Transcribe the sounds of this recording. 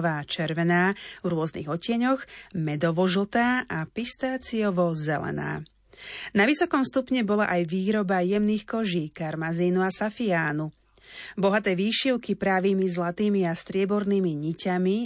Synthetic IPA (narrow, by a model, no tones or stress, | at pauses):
ʋaːt͡ʃɛɾʋɛnaːvɾʊɔznḭɣɔcɪɛɲɔxmɛd̪ɔʋɔʒlt̪aːʔapist̪aːt͡siɔʋɔzɛ̰lɛ̰na̰ː | naʋisɔkɔmfst̪upɲɛbɔlaʔajʋiːɾɔbajɛmniːxkɔʒiːkaɾmaziːnuasafiaːnu | bɔɦat̪ɛːʋiːʃiʊkipɾaːʋiːmizlat̪iːmiast̪ɾɪɛbɔɾniːmiɲicami